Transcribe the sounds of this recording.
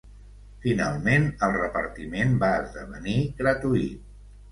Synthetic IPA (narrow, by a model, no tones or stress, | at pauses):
fina̰lˠmenəlˠrəpə̰ɾt̪imembaəzðəβəniɣɾət̪uit̪̚